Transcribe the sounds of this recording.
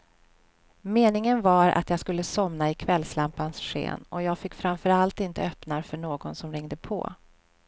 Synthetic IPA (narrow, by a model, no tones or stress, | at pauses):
meːnɪŋənvaɾʔa̰t̪jɑːskɵlːəsɔmnaɪkʰvɛlːslampansɧḛːnɔjɑːɡfɪkːfɾamfœɾalt̪ɪnt̪əœpnaɾfœɳoːɡɔnsɔmɾɪŋd̪əpʰɔ̰